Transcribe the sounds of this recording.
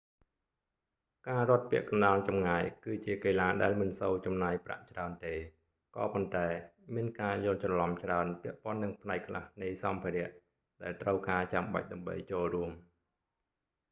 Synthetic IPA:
kaːrŏət̪̚pĭəʔkɑnɗaːlt͡ɕɑmŋaːjkɨːt͡ɕiəkeːlaːɗaɛlmɨnsowt͡ɕɑmnaːjpra̰ʔt͡ɕraənt̪eː | kɑ̰ːpont̪aɛmiənkaːjŏːlt͡ɕrɑlɑmt͡ɕraənpĭəʔpŏənːɨŋpʰnaɛkʰla̰hnɨjsɑmpʰiːɾɛ̆əʔ | ɗaɛlt̪rəwkaːt͡ɕamɓa̰c̚ɗaəmɓə̰jt͡ɕoːlruəm

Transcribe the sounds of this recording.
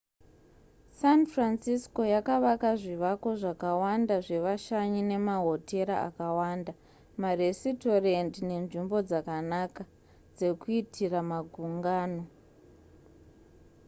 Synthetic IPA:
sanfransisko̞jakaʋakaʐiʋako̞ʐakawandaʐe̞ʋaʃaɲine̞maɦo̞tʰe̞ɾa̰a̰kawaːnda | maresito̞rendine̞nʐimbo̞d͡zakanaka | d͡ze̞kuitʰiramaɡʱuŋɡaːno̞

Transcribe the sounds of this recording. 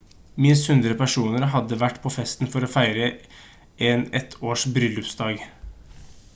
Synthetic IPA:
mɪnst̪hʉnd̪ɾəpæʂuːnəɾɦɑd̪ːəʋæʈːpʰɔfɛst̪n̩fɔɾɔfæɪɾə | ɛːnɛt̪ʰoːʂbɾʏlʉpsd̪ɑːɡ

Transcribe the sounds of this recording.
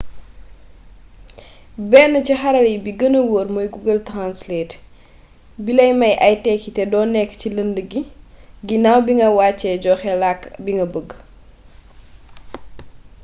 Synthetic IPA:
bɛːnːəcixɐɾɐlibiɡənəwoːɾmɔjɡuɡəltɾanslɛːt | bilɐjmɐjʔɐjtɛkitɛdɔːnːɛkːciləndəɡiɡinawbiŋɡɐwaːt͡ʃːɛɟɔːxɛlakːbiŋɡɐbəɡː

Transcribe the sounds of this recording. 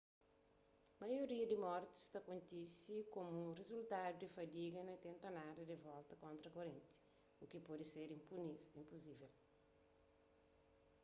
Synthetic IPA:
mɐjoɾiɐd̪imɔɾt̪i̥st̪ɐkõnt̪isikomurezult̪ad̪ud̪ifɐd̪iɡɐnɐt̪ẽnt̪ɐnadɐd̪evɔlt̪ɐkõnt̪ɾɐkoɾẽnt̪i̥ | ukipɔd̪iseɾiĩmpuzivel

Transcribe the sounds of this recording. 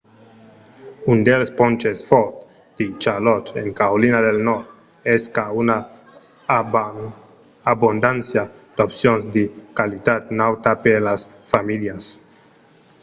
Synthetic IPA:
und̪elspont͡ʃesfoɾt̪ | d̪̥it͡ʃalot̪eŋkaolinadelnɔɾt̪ | eskauna | abond̪ansjad̪̥opsjonzd̪ikalit̪at̪̚nawt̪apelas | familjas

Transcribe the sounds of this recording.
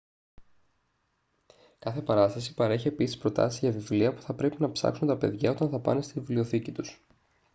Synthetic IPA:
kɐθe̞pɐɾɐst̪ɐsi̥pɐɾeçie̞pisi̥spɾo̞t̪ɐ̰sizʝɐvivliɐpu̥θɐpɾe̞pinɐpsɐ̰ksunt̪ɐpe̞ðʝɐo̞t̪ɐnθɐpɐ̰nest̪ivlio̞θicit̪us

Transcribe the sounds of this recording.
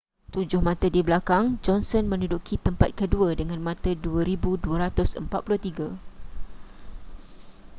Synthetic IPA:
t̪ud͡ʒʊhmãt̪ədibəlakaŋd͡ʒɔnsɔnmə̃nudukʰit̪əmpat̪̚kəduadəŋãnmãt̪əduaɾibuduaɾat̪ʊsəmpat̪̚pulʊht̪iɡa

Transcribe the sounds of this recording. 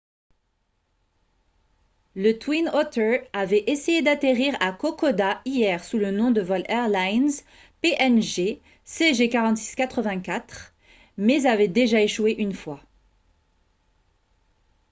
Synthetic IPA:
lət̪winɔt̪əavɛʔesejed̪at̪eʁiʁakɔkɔd̪aijɛʁsulənɔ̃d̪əvɔlɛʁlajnz | peʔɛnʒe | seʒekaʁɑ̃t̪si̥skʲat̪χəvɛ̃kʲat̪χ | mɛzavɛd̪eʒaeʃweʔynfwa

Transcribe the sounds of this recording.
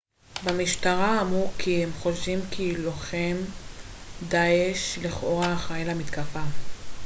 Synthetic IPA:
bamiʃtaʁaːmʁukʰiemχo̞ʃʃimkʰiloχem | d̪aeʃliχoʁaχajelamit̪kafa

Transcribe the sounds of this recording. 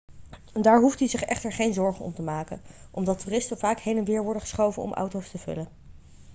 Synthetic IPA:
ndaːɹɦuftdizɪχɛχtəɹχejnzɔɹχənɔ̰mtəmaːkə̰nʔɔmdɑtuːrɪstəvaːkɦejnɛnʋɪːɹʋɔɹdəχəsχowvənɔ̰mʔɑ̰wtowstəv̥ɵ̰lən

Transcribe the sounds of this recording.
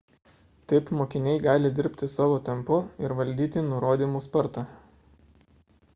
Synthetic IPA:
t̪ɐɪpmoːkʲɪnʲɛɪɡɑːlʲɪd̪ʲɪɾʲpʲt̪ʲɪsɑːʋoːt̪ʲɛmpʊɪɾʋɐlʲd̪ʲiːt̪ʲɪnʊɾoːd̪ʲiːmuːspɐɾt̪ɑ

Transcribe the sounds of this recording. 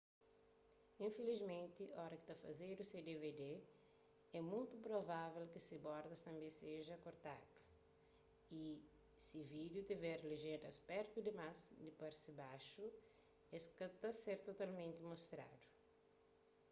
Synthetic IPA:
ĩfelizmẽnt̪iʔɔɾɐki̥t̪afɐ̰zeɾused̪eved̪e | ɛmũjt̪upɾovavelkɪsibɔɾd̪ɐst̪ɐ̃mbẽseʒɐkoɾt̪ad̪u̥ | i | sivid̪jut̪ivɛɾliʒẽd̪ɐspɛɾt̪ud̪ɪmasd̪ipaɾsibaʃu | eskɐt̪aseɾt̪ot̪almẽnt̪ɪmost̪ɾa̰d̪u̥

